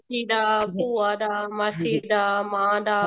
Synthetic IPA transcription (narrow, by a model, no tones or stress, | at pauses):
iːɗ̪aːpuːaɗ̪aːmasid̪aːmãːd̪aː